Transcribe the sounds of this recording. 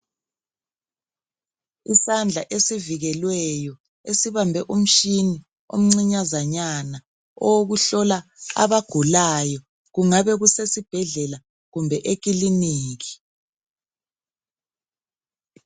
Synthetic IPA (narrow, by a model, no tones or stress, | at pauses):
isand͡ɮʱaʔesiviɣɛlwɛjɔ | esiβambʱɛʔum̩ʃini | o̰m̩ŋ͡ǀiɲazaɲana | ɔwoɣuɬɔlaa̰βaɡ̥ʱulajɔ | ɣuŋaβɛɣusesib̥ʱɛɮɛla | ɣumbʱɛʔek̬iliniːɣi̥